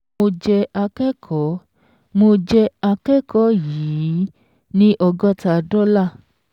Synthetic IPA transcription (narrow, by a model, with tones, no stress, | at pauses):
o˧d͡ʒɛ˧a˧kɛ˦kʰɔ˨˦ | mo˧d͡ʒɛ˧a˧kɛ˦kɔ˦jiː˨˦˨ | nĩ˦ʔɔ˧ɡɔ˦ta˧˨dɔ˦la˦˨